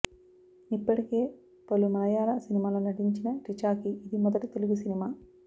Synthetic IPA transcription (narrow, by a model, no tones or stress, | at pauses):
ipːɐʈikeː | pɐlumɐlɐjaːɾɐsinimaːlunɐʈiɲt͡ʃinɐʈit͡ʃaːkiːd̪imɔd̪ɐʈut̪eluɡusinimaː